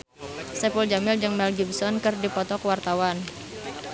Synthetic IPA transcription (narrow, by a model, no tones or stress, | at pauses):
sɛpuld͡ʒamɪld͡ʒɨŋmɛlɡibsɔnkɨrdipɔt̪ɔkwart̪awan